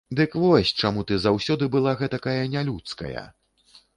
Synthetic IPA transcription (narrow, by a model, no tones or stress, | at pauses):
d̪ɨkvɔsʲt͡ʂamut̪ɨzawsʲɔd̪ɨbɨlˠaɣɛt̪akajɐnʲalʲut̪skɐ̰jɐ̰